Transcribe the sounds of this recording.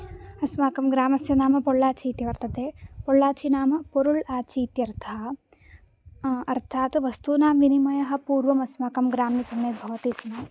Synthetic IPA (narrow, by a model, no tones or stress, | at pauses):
ɐsmaːkɐmɡɾaːmɐsjɐnaːmɐpoɽːaːt͡ʃiːt̪jɐʋɐɾt̪ɐt̪eːpoɽːaːt͡ʃinaːmɐpoɾuɭaːt͡ʃiːt̪jɐɾt̪ʰaː | ɐɾt̪ʰaːt̪ʋɐst̪uːnaːmʋinimɐjɐɦɐ̆puːɾʋɐmɐsmaːkɐmɡɾaːmnisɐmɐbʱɐʋɐt̪ismɐ